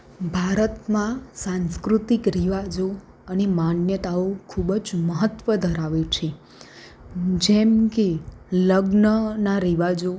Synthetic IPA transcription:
bʱaɾət̪mãsãnskɾut̪ikɾiʋad͡ʒo | ənemanjət̪aokʰubd͡ʒməɦət̪ʋəd̪ʱəɾaʋet͡ʃʰe | d͡ʒɛmkeləɡnənaɾiʋad͡ʒo

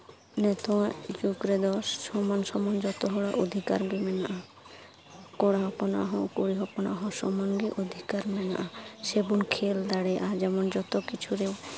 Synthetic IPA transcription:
nɛt̪ɔad͡ʒukɾɛd̪ɔssɔmansɔmɔnd͡ʒɔt̪ɔɦɔɽaʔod̪ʱika̰ɾbimɛnaʔa | kɔɽaɦɔpɔna̰ɦɔ̃koɽiɦɔpɔna̰ɦɔ̃sɔmanɡiʔod̪ʱikaɾmɛna̰ʔasebunkʰeld̪aɽɛʔad͡ʒɛmɔnd͡ʒɔt̪ɔkit͡ʃʰuɾew

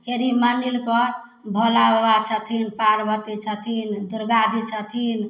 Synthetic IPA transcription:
keɾimanilpɔɾ | bʱəlaʋat͡ʃʰət̪ʰinpaɾbət̪it͡ʃʰət̪ʰind̪uɾɡad͡ʒit͡ʃʰət̪ʰin

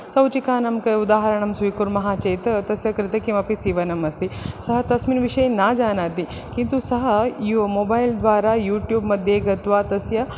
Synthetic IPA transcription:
sɐwt͡ɕikaːnɐmkɐjud̪aɦɐɾɐɳɐmsʋikuɾmɐɦat͡ɕejt̪t̪ɐsjɐkɾɪt̪əkĩw̃ʋapisiːʋɐnɐmɐst̪isɐɦɐt̪ɐsmiːnʋiʂɐjnad͡zanat̪i | kĩnt̪usɐɦɐjomobaild̪ʋaɾajuːʈjuːbmɐd̪ʱjeɡɐt̪ʋat̪ɐsjɐ

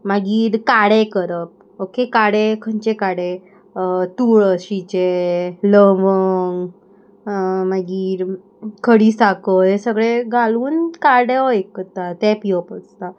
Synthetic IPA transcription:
maɡiːɾkaɽekəɾəp̚ | okekaɽekʰəɲt͡ɕekaɽe | t̪uːɭəɕit͡ɕeləʋəŋ | maɡiːɾ | kʰəɽiːsakəjesəɡɭeɡʱaluːnkaɽeɔekət̪at̪ɛ̃piəpəst̪a

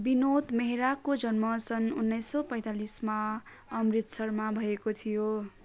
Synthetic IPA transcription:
binot̪meɦiɾakod͡zʌnmʌsʌnunːʌjsːʌpʌ̃j̃t̪alisma | ʌmrit̪sʌrmabʱʌekot̪ʰijo

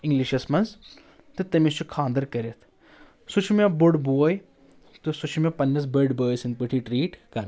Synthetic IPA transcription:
ĩŋɡliʃɐsmɐns | t̪ɨt̪ɐmist͡ʃʰukʰãːnd̪ɐɾkɐɾet̪ʰ | sut͡ʃʰmɐbʊɖbuɐj | t̪usut͡ʃʰmɐpɐnːɐsbəɖbəːjsinpiʈʰiʈɾiːʈkɐɾ

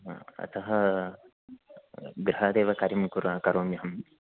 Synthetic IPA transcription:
ɐ̰t̪ɐɦɐ | ɡɾɐɦɐd̪eːʋɐkɐɾimkuɾaːkɐɾoːmjɐɦɐm

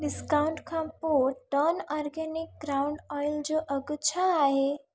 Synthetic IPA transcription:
ɖiskawʊɳʈkʰãpoʈənɔɾɡenik̚ɡɾaʊɳɖɔjld͡ʑoʔəɡut͡ʃʰaaɦe

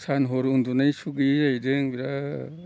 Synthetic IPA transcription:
sanɦoɾund̪unajsuɡɯɾajɾɯŋbiɾa

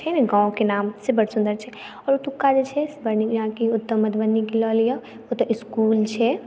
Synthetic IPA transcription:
t͡ʃʰɛneɡãːõkenaːmsebɐɽ̤sʊ̃nd̪əɾt͡ʃʰɛ | ɔːɾoʈʊkːad͡ʒet͡ʃʰesbɐɾniãːkiʊt̪ːəmːəd̪bənːikilɔːlijo | ot̪ɔʔɪskuːlt͡ʃʰɛ

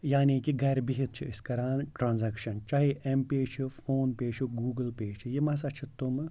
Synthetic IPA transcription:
jaːniːkiɡɐɾbiɦit̪̚t͡ʃʰiɪskɐɾaːnʈɾaːnzɐkʃɐnt͡ʃaːɦiʔempeːt͡ʃʰifoːnpeːʃʰuɡuːɡəlpeːt͡ʃʰijimɐsɐt͡ʃʰit̪ʊm

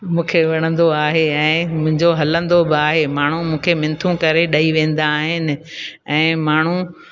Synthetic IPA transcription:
mũːkʰeʋɐɽ̃ə̃nd̪oaːɦeɛ̃ːmʊ̃ɦɪ̃ɲd͡ʑoɦɐlə̃nd̪obɪaːɦemaːɳ̤umũːkʰemɪ̃nt̪ʰũkɐɾeɗɐiʋẽːn̆d̪aːɦɪnɪ̆ɛ̃ːmaːɳ̤u

